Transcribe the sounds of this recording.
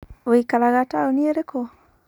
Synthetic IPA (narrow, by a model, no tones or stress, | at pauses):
oikalaɣataonieɾekɔ